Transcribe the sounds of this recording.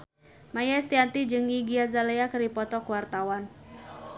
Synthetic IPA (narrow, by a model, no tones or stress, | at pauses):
majast̪iant̪id͡ʒɨŋiɡiazaleakəɾipɔt̪ɔkuwart̪awan